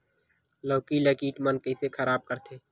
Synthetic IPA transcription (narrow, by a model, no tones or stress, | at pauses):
loːkilɐkiːʈ̪mənkəsekʰɐɾaːb̚kəɾt̪ʰeː